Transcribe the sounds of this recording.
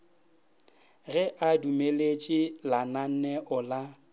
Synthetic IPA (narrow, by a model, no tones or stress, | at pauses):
ɣɛʔadumelet͡ʃʼɪlanan̩nɛʔʊla